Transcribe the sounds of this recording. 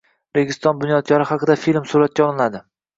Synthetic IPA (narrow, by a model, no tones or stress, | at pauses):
ɾeɡʲɪst̪ɒnbʊnjɒd̪̚ɡʲʰaɾɪhɑqɨd̪afilmsuɾat̪̚kʲaɒlˠɪnad̪ɪ